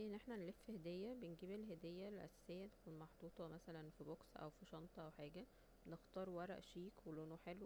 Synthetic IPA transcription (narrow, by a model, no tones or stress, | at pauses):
ʔenːʔeħnænlefːhed̪ejːæbenɡiːbelɦed̪ejːælʔæ̰sæ̥sejːæt̪e̥kuːnmɑħd̪ˤuːt̪ˤɑmæsælænfiboksʔæ̰wfiʃɑnt̪ˤɑʔæwħaːɡæ | next̪ˤɑːɾˤwɑɾˤɑ̰ʔʃiːkwelʔonoħelw